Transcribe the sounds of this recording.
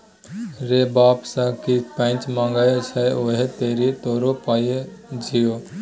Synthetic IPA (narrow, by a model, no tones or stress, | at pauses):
ɾeːbaːpsakipə̃t͡ʃmãːŋɡaːjesɛoɦet̪eːɾit̪oːɾopaːjed͡ʒʱioː